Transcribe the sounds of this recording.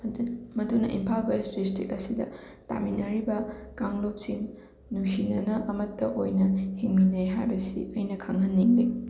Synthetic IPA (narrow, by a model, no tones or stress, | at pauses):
mɐdunɐ̰ʔimpʰalbaesdistikɐsidɐ̰ta̰minɐɾibɐkaŋlop̚sinː | usinɐnɐʔɐmɐtːɐʔojnɐhiŋminejɦajbɐsḭɐjnɐkʰaŋɐnːiŋle